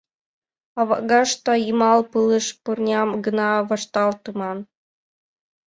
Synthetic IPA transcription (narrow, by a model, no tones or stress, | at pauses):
ɑβɑɡɑʃt̪ojimɑlˠpɯlˠɤʃpurnʲɑmɡə̆nɑʋɑʃt̪ɑlˠt̪ɯmɑn